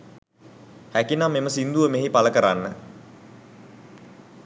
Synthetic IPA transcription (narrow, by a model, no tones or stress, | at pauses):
hækinamːeməsind̪uʋəmeɦipaləkəɾa̰nːə